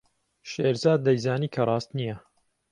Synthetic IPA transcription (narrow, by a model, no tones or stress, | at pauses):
ʃeːɾzaːd̪̚ːɐjzaːniːkʰɐrˤɑːst̪nijɐ